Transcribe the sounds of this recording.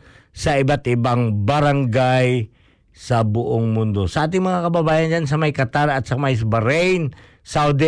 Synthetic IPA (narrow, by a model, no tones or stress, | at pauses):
saibat̪ibaŋbaɾaŋɡaj | sabuʔʊŋmund̪osaːt̪iŋmaŋakababajand͡ʒans̬amajkat̪aɾat̪samajs̬baɾɛjn | sawd̪i